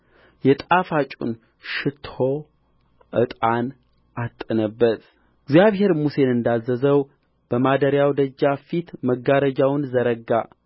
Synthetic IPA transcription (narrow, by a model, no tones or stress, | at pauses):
jɛt̪ʼafat͡ʃʼṵn | ʃɨt̪ʰo̞ | ʔɨt̪ʼan | ʔat̪ʼːɨnəbːət̪ | ɪɡzjaβɦe̞ɾmuse̞nɨnd̪azːəzəw | b̥əmad̪əɾjawd̪əd͡ʒːafit̪məɡːaɾəd͡ʒawnzəɾəɡːa